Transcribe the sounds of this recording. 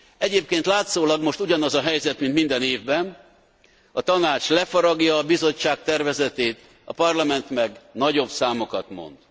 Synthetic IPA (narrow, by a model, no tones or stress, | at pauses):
ɛɟeːp̚keːnt̪laːt̪soːlɒɡmo̞ʃt̪uɟɒnɒzɒɦɛjzɛt̪mint̪mind̪ɛneːvbɛn | ɒt̪ɒnaːt͡ʃlɛfoɾɒɡjɒːbizo̞t͡ʃːaːkt̪ɛrvɛzɛt̪eːt̪ | ɒ̰pɒrlɒmɛnt̪mɛɡnɒɟo̞bsaːmo̞kɒt̪mo̞̰nd̪̥